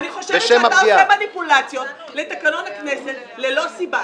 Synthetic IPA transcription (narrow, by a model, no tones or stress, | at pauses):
aniχoʃeeʃemaaiaamanipulat͡sjo̞t̪̚ | let̪ekano̞nakneset̪ | lelo̞siba